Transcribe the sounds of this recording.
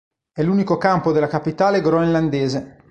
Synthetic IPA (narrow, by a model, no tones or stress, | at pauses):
ɛlːuːnikokampod̪elakapit̪aːleɡɾoenland̪eːze